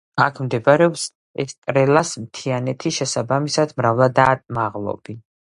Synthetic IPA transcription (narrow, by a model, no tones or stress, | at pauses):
akʰmd̪ɛbaɾɛɔps | ɛst̪ʼɾɛlasmt̪ʰianɛt̪ʰiʃɛsabamisad̪mɾavlˠad̪at̪ʼmaʁlˠɔ̰bi